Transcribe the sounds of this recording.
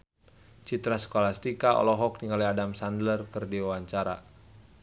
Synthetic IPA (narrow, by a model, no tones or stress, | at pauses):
t͡ʃit̪ɾasə̥kolast̪ikaʔɔ̰lɔɦɔk̚niŋaliadamsandlərkɨrdiwawaɲt͡ʃaɾa̰